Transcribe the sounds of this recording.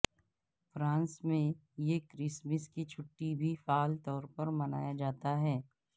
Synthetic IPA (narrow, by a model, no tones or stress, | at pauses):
fɾãːnsmẽ | jekɾɪsməskit͡ʃʰʊʈːibʱifaːlt̪ɔːɾpɐɾmɐna̰ːjad͡ʒaːt̪aɦɛː